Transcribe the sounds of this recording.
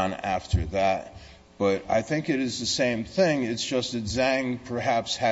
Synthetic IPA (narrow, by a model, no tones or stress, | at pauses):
næ̰ftʰə˞ðæt̚ | b̥ʌɾa̰ɪθɪ̃ŋkɨɾɨzðɨsẽɪ̃mθɪ̃ŋɨtsd̥ʒ̥ʌstɨzæ̃ŋpʰə˞hæpshɨ